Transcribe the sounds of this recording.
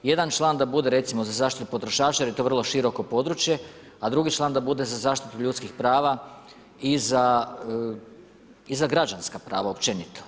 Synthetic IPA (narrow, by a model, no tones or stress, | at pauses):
je̞d̪ant͡ʃlˠand̪abud̪e̞ɾe̞t̪simo̞zazaːʃt̪it̪u̥po̞t̪ɾo̞ʃaːt͡ʃaɾjet̪o̞ʋr̩lˠo̞ʃiɾo̞ko̞po̞d̪ɾut͡ʃje̞ | ad̪ɾuɡit͡ʃlˠaːnd̪abud̪e̞zazaːʃt̪i̥t̪uʎut̪skixpɾaːʋa | iza | izaɡɾad͡ʒanskapɾaːʋaopt͡ʃenit̪o